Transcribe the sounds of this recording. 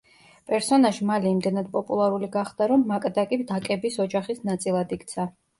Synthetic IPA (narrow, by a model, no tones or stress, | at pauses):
pʼɛɾsɔnaʃmaliːmd̪ɛnad̪̚pʼɔpʼulˠaɾuliɡaχd̪̥aɾɔmːakʼd̪akʼid̪akʼɛbisɔd͡ʒaχisnat̪sʼilˠad̪ikʼt̪sʰa